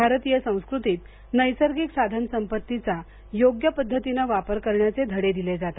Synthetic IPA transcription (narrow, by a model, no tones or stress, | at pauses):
bʱaɾt̪ijəsə̃w̃skɾut̪iːt̪ | nəjsəɾɡiksad̪ʱansəmpət̪ːit͡sa | joɡjəpəd̪ʱːət̪inaʋapəɾkəɾɳjat͡sed̪ʱəɽed̪iled͡zat̪a